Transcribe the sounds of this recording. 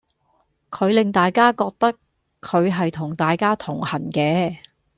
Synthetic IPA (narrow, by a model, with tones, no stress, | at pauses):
kʰɵ˨˧ɥlɪ˨ŋt̪aː˨jkaː˥kɔː˧k̚t̪ɐ˥kʰː | ɵ˨˧ɥɦɐ˨jt̪ʰʊ˨˩ŋt̪aː˨jkaː˥t̪ʰʊ˨˩ŋhɐ˨˩nkɛː˧